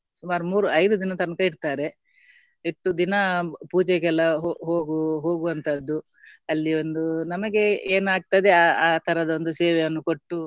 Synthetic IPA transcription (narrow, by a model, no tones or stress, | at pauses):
sumaːɾumuːɾuɐjd̪ud̪inɐt̪ɐnɐkɐiɽt̪aːɾe̞ | eʈːud̪inɐpuːd͡ʒɛɡɛlːɐɦoɦoːɡuɦo̞ːɡuʋɐnt̪ʰɐd̪ːu | ɐlːio̞nd̪unɐmɐɡe̞eːnaːɡ̚t̪ɐjd̪e̞aːaːt̪ʰɐɾɐd̪ɐond̪useːʋɛjɐnːuko̞ʈːu